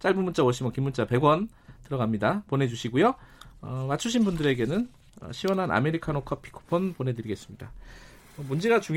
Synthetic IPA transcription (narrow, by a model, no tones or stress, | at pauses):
t͡ɕ͈aɭbumːunt͡ɕ͈awoɕʰimokimːunt͡ɕ͈ape̞ɡwʌn | tɯɾʌɡamɲidapone̞d͡ʑuɕʰiɡujoʌmat͡ɕʰuɕ̬ʰinbundɯɾe̞ɡe̞nɯn | ʌ̰ɕʰiwʌnɦana̰me̞ɾikʰanokʰʌpʰi̥kʰo̥pʰonpone̞dɯɾiɡe̞s͈ɯmɲida | ʌmund͡ʑe̞ɡat͡ɕuŋ